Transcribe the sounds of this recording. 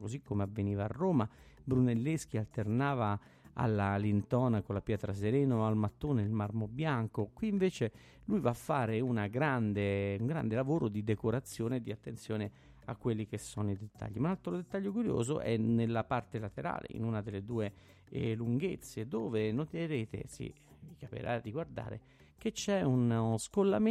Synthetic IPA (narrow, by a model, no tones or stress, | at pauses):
kozikʰːomeavːeniːva̰ːrːoːmabɾunelːesk̟ialt̪ernaːva | a̰lːalint̪ɔːnakolːapjɛːt̪ɾas̬eɾɛːnoalmat̪ːoːneilmarmobjaŋkokwiːɱveːt͡ʃe | lujvafːaːɾeunaɡɾand̪euŋɡɾa̰nd̪elavoːɾod̪id̪ekoɾat̪sːjoːned̪iat̪ːent̪sjɔːne | a̰kːwelːikesːɔnoid̪et̪ːa̰ʎːimaunalt̪ɾod̪et̪ːaʎːokuɾjo̰ːzo̰ʔɛ̰nelːapart̪elat̪eɾa̰ːlḛḭnunad̪elːed̪uːe | luŋɡet̪sːed̪oːvenot̪eɾeːt̪ḛsḭ | vikapḭɾʔa̰d̪iɡward̪a̰ːɾḛ | k̟et͡ʃːɛunskolːa̰m